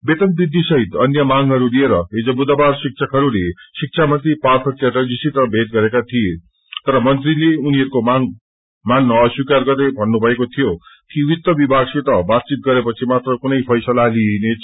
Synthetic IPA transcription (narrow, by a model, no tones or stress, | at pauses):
bet̪ʌn̚bid̪ːisʌɦit̪ʌnjʌmaŋɦʌɾulieɾʌɦid͡zobud̪ʌbarsik̚t͡sʰʌkɦʌɾulesik̚t͡sʰamʌnt̪ripart̪ʰʌt͡ʃeʈʌd͡zisit̪ʌbʱet̪̚ɡʌɾekat̪ʰije | t̪ʌɾʌmʌnt̪rileuniɦʌɾukomaŋ | manːʌʌswikarɡʌrd̪ebʱʌnːubʱʌekot̪ʰijo | kiwit̪ːʌbibʱaɡsit̪ʌbat̪̚t͡sit̪̚ɡʌɾepʌt͡sʰimat̪rʌkunʌjpʰʌjsʌlaline